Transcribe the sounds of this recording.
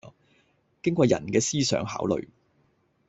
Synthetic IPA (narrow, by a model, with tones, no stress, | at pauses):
kɪ˥ŋkʷɔː˧jɐ˨˩nkɛː˧siː˥sœ̰ː˨˥ŋɦa̰ː˨˥wlɵ̰˨˧ɥ